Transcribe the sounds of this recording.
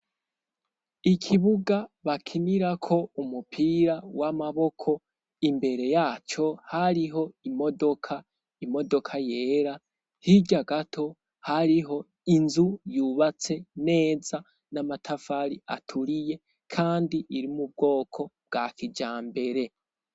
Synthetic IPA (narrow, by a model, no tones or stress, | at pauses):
ikʰiβuɡaβakʰiniɾakʰo̞umupʰiɾawamaβo̞kʰo̞ | imbe̞ɾe̞jaːt͡ʃo̞haɾiɦo̞imo̞do̞kʰa | imo̞do̞kʰaje̞ːɾa | hiɟaɡatʰo̞ | haɾiɦo̞ | inzujuːβat͡se̞ne̞ːza | namatʰafaɾia̰tʰuɾije̞ | kʰaːndiʔiɾimub̚ɡo̞ːkʰo̞b̚ɡ̥aːkʰid͡ʒaːmbe̞ɾe̞